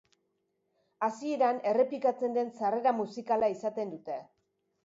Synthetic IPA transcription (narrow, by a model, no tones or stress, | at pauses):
asie̞ɾane̞re̞plikat͡se̞nd̪e̞nsare̞ɾamusikalaisat̪e̞nd̪ut̪e̞